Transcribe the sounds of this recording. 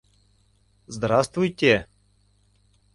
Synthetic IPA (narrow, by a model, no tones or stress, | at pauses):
zd̪ɾast̪vujtʲe